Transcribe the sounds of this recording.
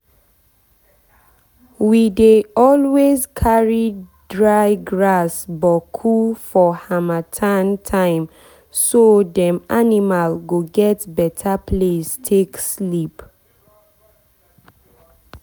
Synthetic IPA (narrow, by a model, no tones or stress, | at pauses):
wideɔlwezkʰaɹidɹaɪɡɹasbɔkʰufɔhamatʰãntʰãɪ̃m | sodɛ̃manimalɡoɡɛtbɛtʰapʰlestʰekslip